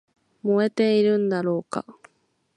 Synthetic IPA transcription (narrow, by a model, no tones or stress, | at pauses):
mo̞e̞t̪e̞iɾɯ̟̃nd̪aɾo̞ːka̰